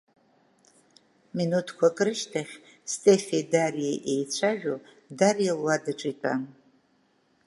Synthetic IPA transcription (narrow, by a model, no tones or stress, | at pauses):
minutʰkʷʰakʼɾɨʃtʰaχʲ | stʼe̞fedarijeʔejt͡ɕʷʰaʒᶣo | darijelwadaʈ͡ʂʼitʼa̰n